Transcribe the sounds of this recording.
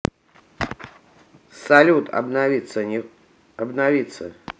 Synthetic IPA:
salʲut̪ɐ̰bnavʲit̪sə | ɐbnavʲit̪sə̰

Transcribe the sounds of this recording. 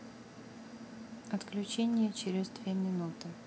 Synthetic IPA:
ɐt̪klʲʉt͡ɕenʲɪjət͡ɕɪɾʲɪzd̪vʲemʲɪnut̪ɨ

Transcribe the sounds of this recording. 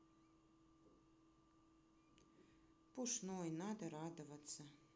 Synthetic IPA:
puʂnojnad̪ɐɾad̪ovɐt̪sɐ

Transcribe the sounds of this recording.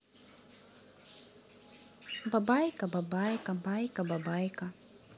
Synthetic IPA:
babajkababajkabajkababajka

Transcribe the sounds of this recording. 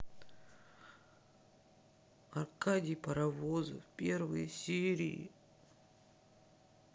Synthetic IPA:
ɐrkadʲɪjpəɾɐvozə̰fpʲervə̰jəsʲeɾʲḭḭ

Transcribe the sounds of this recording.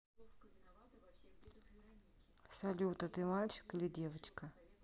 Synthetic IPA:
sɐlʲut̪ɐt̪ɨmalʲt͡ɕɪ̥kɨlʲidʲeʋɐt͡ɕkɐ

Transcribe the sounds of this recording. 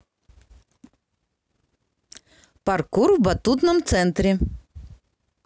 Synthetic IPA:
pɐrkuɾvbɐt̪ut̪nəmt̪sɛnt̪ɾʲɪ

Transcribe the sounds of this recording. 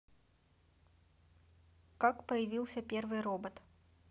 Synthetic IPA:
kakpəjɪvʲilˠsʲəpʲervɨjrobət̪

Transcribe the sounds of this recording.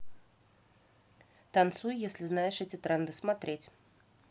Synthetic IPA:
t̪ɐnt̪sujjesʲlʲɪznajɪʂɛtʲɪt̪ɾɛnd̪ɨsmɐt̪ɾʲetʲ

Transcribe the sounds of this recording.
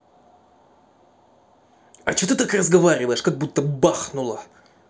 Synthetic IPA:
ɐ̰t͡ɕot̪ɨt̪akrəzɡɐvaɾʲɪvəjɪʂkɐɡ̚but̪ːəbaxnʊlˠə

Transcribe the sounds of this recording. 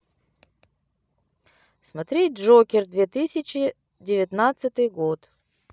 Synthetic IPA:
smɐt̪ɾʲet̚ʲʐokʲɪrd̪vʲet̪ɨsʲɪt͡ɕɪ | dʲɪvʲɪt̪nat̪sɨt̪ɨjɡot̪

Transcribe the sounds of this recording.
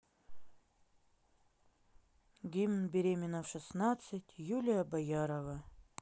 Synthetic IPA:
ɡʲimnbʲɪɾʲemʲɪnəfʂɨsnat̪sɨtʲjulʲɪjəbɐjaɾəvə

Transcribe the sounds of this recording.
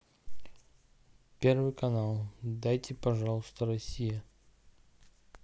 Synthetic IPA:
pʲe̞rvɨjkɐnalˠd̪ajt̪ʲɪpɐʐɑlˠəst̪əɾɐsʲijə

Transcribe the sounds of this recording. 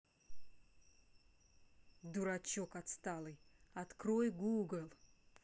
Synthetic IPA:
d̪uɾat͡ɕokɐt̪st̪alˠɨjɐt̪kɾojɡuɡəlˠ

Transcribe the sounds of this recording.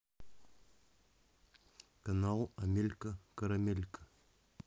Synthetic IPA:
kɐnalˠɐmʲelʲkəkɐɾɐmʲelʲkə̥

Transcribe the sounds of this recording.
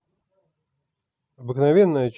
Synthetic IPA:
ɐbɨknɐvʲenːəjət͡ɕ

